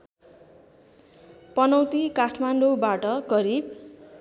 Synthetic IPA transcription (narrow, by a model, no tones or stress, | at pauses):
pʌnʌwt̪ikaʈʰmanɖobaʈʌɡʌɾib